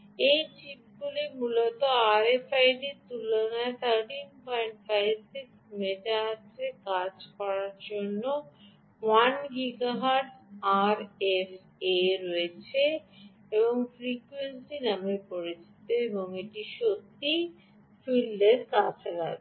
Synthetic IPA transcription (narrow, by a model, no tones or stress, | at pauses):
ejt͡ɕip̚ɡulimulot̪oaɾefajɖit̪ulonat̪ʰaʈinpɔjɳʈfʰajbsiksmeʈaaɾʰekad͡ʑkɔɾaɾd͡ʑonːo | wanɡiɡaɦaɖaɾef | eɾoet͡ɕʰe | eboŋfɾikwensinamepoɾet͡ɕʰit̪eeboŋeʈiʃot̪ːi | filːeɾkat͡ɕʰaɾa̰t